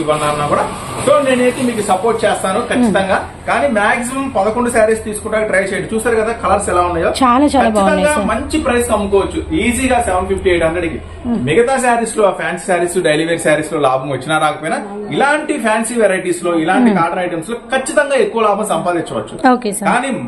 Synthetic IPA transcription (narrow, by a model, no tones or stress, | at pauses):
iʋɐnːaːɐnːaːkuːɽaː | soːne̞ːneːk̪emiːk̬usɐpoːɾʈ̚t͡ʃɛːst̪aːnukɐt͡ʃːit̪ɐŋɡaː | kaːniːmaːks̬imɐmpɐd̪ɐkoɳɖusaːɾist̪iːsu̥kuɳʈːaːkɐʈɾɐjt͡ʃeːjɐɽut͡ʃuːsaːɾukɐd̪aːkɐlɐɾsɛlaːunːaːjo̞ːt͡ʃaːlaːt͡ʃaːkɐat͡ʃait̪ɐŋɡaːmɐɲt͡ʃipɾɐjsnɐmːukɔːʋɐt͡ʃːuiːziːɡaːsɛʋɐɳɖpʰip̚ʰʈiejʈɐnd̪ɐɽiki | miɡɐt̪aːs̬jaːɾisloːaːpʰjaːnsi̥sjaːɾisloɖɐjliːʋeɾisjaːɾisloːlaːbɐmʋɐt͡ʃːinaːɾaːkɐpoːjnailaːɳʈipʰjaːnsiʋɛɾajʈiːslo̞ːilaːɳʈikaːɾɖɐnɐjʈɐmslo̞ːkɐt͡ʃːit̪ɐŋɡaːe̞kːuʋɐlaːbɐmsɐmpaːd̪iɲnt͡ʃːɐʋɐt͡ʃːuoːkekaaːniː